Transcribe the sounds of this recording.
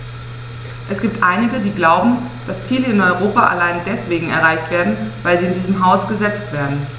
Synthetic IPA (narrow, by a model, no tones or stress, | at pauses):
ʔɛsɡ̥iːp̚tʔaɪnɪɡədiːɡlaʊbm̩ | d̥ast͡siːləɪnɔʏʁoːpaʔa̰laɪndɛsv̥eːɡŋ̩ɛ̰ɐʁ̞aɪçtv̥eːɐdn̩vaɪlziːɪndiːzəmɦaʊsɡ̥əzɛt͡stv̥eːɐdn̩